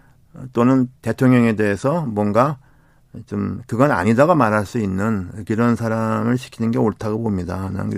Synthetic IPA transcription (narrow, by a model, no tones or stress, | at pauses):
ʌt͈onɯnte̞tʰoŋɲʌŋe̞de̞ɦesʰʌmwʌnɡa | t͡ɕomkɯɡʌna̰ɲidaɡomaɾɦaɭs͈uinːɯnkiɾʌnsʰaɾamɯɭɕʰi̥kʰinɯnɡe̞oɭtʰaɡobomɲidana̰nkɯ